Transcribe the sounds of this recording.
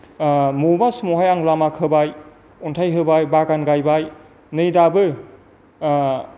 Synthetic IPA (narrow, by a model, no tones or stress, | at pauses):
mobasmoɦajaŋlamakʰɯbaj | untʰajɦɯbajbaɡanɡajbaj | nɯjdabɯ